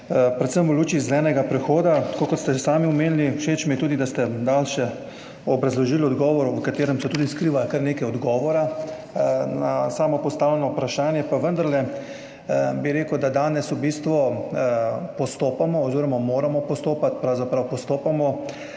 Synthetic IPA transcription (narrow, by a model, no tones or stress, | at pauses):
pɾɛt̪səmuluːt͡ʃiːzɛlɛːnɛɡapɾɛxoːd̪at̪ḁkoːkɔt̪st̪ɛsaːmiɔmeːnliwʃeːt͡ʃmiɛt̪uːd̪id̪ast̪ɛd̪aːlʃɛ | ɔbɾazlɔʒiːlɔd̪ɡɔːʋɔɾuʋəkat̪eːɾɛmsɛt̪uːd̪iskɾiːʋajkəɾneːkajɔd̪ɡɔːʋɔɾa | nasaːmɔpɔst̪aːwlɛnɔupɾaʃaːnjɛpaʋənd̪aɾlɛ | biɾeːkəd̪ad̪aːnɛsubiːst̪ʋɔ | pɔst̪oːpamɔːziːɾɔmamoːɾamɔpɔst̪oːpat̪pɾawzapɾawpɔst̪oːpamɔ